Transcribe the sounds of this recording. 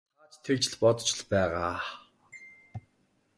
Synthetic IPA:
aːt͡ɕt̪ʰekt͡ɕɪ̆ɮpɔt̪ɞ̥̆t͡ɕɪ̆ɮpæːʁaː

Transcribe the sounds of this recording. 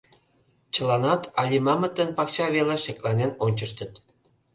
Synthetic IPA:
t͡ɕə̆lɑnɑt̪ɑlʲimɑmə̆t̪ːənpɑkt͡ɕɑβeleʃeklɑnenonʲt͡ɕəʃt̪ə̆t̪

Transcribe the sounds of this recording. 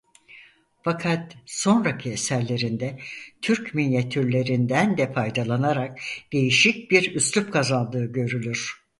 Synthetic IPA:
fakʰat̪so̞nɾacʰiesæɾlʲe̞ɾind̪ɛt̪ʰyɾcmilʲjat̪ʰyɾlʲe̞ɾind̪ænd̪ɛfajd̪alˠanaɾak̚d̪̥e̞jiʃic̚biɾyslʲyp̚kʰazand̪ɯːɟø̞ɾylʲyɾ̥

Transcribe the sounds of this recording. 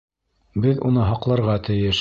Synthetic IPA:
bɘðṵnɤɦɑqlˠɑɾʁɑt̪ɘ̆jɘʃ

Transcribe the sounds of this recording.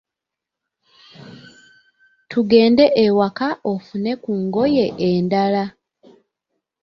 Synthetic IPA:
tʰuɡe̞ːnde̞ʔewakaʔofune̞kuŋɡo̞je̞ʔeːndala

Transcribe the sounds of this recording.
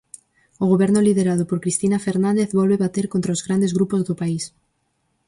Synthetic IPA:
oɣoβɛɾnoliðeɾað̞opoɾkɾist̪inafeɾnãnd̪eθβɔlβeβat̪eɾkont̪ɾaozɣɾand̪ezɣɾupozðopais

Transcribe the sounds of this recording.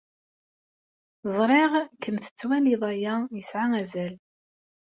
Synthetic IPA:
zˤɾˤeʁkəmθə̥t͡sːwæliðˤæjæjəsʕaæzæl

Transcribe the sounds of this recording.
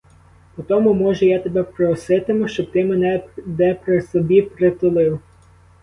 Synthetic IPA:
pɔt̪ɔmʊmɔʒɛjat̪ebɛpɾɔsɪt̪ɪmʊʃt͡ʃɔb̚t̪ɪmenɛnɛpɾɪsɔbʲipɾet̪ʊlˠɪw

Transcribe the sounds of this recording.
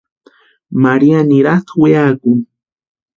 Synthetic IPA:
maɾianiɾat̪weakuŋ

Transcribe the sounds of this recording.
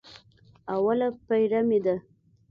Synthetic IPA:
awalapajɾamed̪a

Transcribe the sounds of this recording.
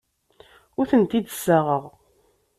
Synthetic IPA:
ʊɾθənt̪id̪əsːaʁəʁ

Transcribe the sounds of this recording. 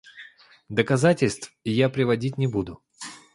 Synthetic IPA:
d̪əkɐzatʲɪlʲst̪fɪjapɾʲɪvɐdʲitʲnʲɪbud̪ʊ

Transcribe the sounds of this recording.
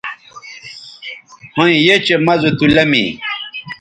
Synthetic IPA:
hõĩjet͡ɕemɐzut̪ulɐmḭ

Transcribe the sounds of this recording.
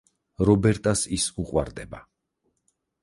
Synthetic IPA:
ɾɔbɛɾt̪ʼasisuqʼwaɾd̪ɛba

